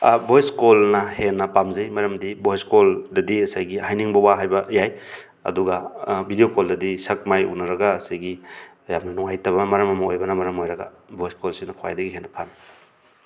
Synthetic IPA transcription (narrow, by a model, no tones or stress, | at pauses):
bojskolnɐhenːɐpamzɐjmɐɾɐmdibojskoldɐdiɐsajɡihajniŋbɐwaɦajbɐjaj | ɐ̰duɡabʱidijokoldɐdisɐk̚majṵnɐɾɐɡaːsajɡi | jamnɐnuŋajtɐβɐmɐɾɐmɐmɐojbɐnɐmɐɾɐmojɾɐɡa̰ | bʱojskolsinɐkʰowa̰jdɐɡiɦenːɐpʰam